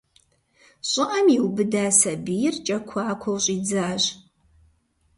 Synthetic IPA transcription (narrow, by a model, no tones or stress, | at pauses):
ɕʼɪʔɐmjiwbɨdaːsɐbɨjɪrt͡ʃʼɐkʷʰaːkʷʰɔwɕʼiːd͡zaːɕ